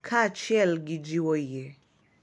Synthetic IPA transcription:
kʰat͡ʃjɛlɡid͡ʒiwɔje

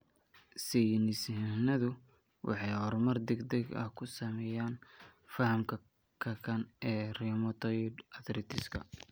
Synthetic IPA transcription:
sɛjnɪsɦnɐðʊ | wʔɑ̰ħɑjhɔɾmɐrd̪ɛɡd̪ɛɡɐ̰hkʰʊsɐmɛjaːnfɐhɐmkʰɐ | kʰɐkʰɐnʔɛːrimɐt̪ʰɔjdɐðɾɪt̪ʰɪskʰɐ̰

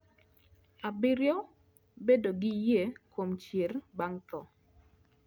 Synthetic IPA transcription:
abɪɾjɔ | bedoɡɪjekomt͡ʃjerbaŋt̪ɔ

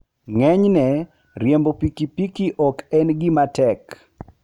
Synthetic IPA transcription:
ŋɛɲnɛ | ɾjɛmbopikipikiʔɔkɛnɡɪmatɛk

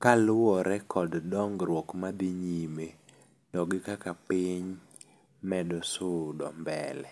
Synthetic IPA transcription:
kalɔɾɛkʰɔddɔŋɡɾwɔkmad̪ɪɲime | tɔɡɪkakapɪɲ | mɛdɔsʊdɔmbɛ̰lɛ

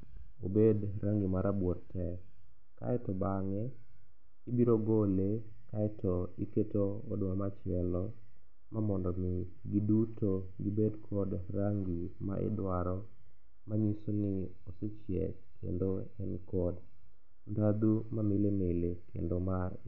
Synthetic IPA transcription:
obedɾaŋɡimaɾabwɔttɛ | ka̰ɛtɔbaŋɛ | ibiɾoɡole | kaɛtʰɔiketoɔdmamat͡ʃɪɛlɔ | mamɔndɔmɪ | ɡiduto | ɡibedkʰɔdraŋɡima̰ʔɪ̰dwaɾɔ | maɲisonɪ | osɪt͡ʃjɛ̰ | kʰḛndo | ɛnkɔd | ndad̪umamilenelekʰḛndomaɾ

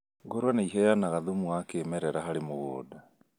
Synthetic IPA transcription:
ɡoɾwanaiɦɛjanaɣaðumuakeːmɛɾɛɾaɦaɾemoɣɔːda

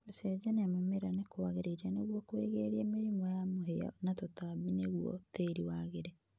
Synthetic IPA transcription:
osɛd͡ʒaneamameɾanekoaɣeɾeiɾianeɣwɔkweɣeɾiemeɾimɔjamoɦea̰natotaβineɣwɔ̰teːɾiwaɣeɾe

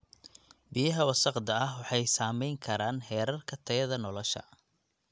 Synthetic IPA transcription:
bɪjɐɦɐwɑsɑqd̪ɐɐɦwɑħɑjsaːmɛjŋkʰɐɾaːnhɛːɾɐrkʰɐt̪ʰɐjɐðɐnɔlɔʃɐ̰

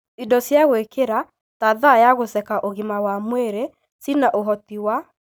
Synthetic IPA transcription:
idɔsjaɣwekeɾa | taðajaɣosɛkaʔoɣimawamweɾe | sinaʔoɦɔtiwa

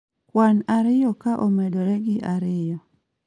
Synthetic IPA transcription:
kwanaɾɪjɔkaʔomedoɾɛɡɪʔaɾɪjɔ

